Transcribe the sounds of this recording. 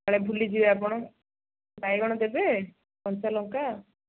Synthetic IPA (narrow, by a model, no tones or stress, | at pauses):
aɭebʱulid͡ʒibeapɔɽ̃ɔ | bajɡɔɽ̃ɔd̪ebe | pɔnt͡ʃalɔŋka